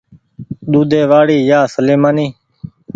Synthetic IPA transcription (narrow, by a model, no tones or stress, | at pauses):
ɗ̪uːd̪eːʋaːɽiːjaːsəleːmaːniː